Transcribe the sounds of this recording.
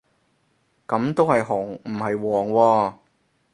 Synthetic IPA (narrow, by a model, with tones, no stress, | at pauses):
kɐ˨˧˥mt̪o˥whɐ˨jɦʊ˨˩ŋm̩˨˩hɐ˨jwɔː˨˩ŋwɔː˧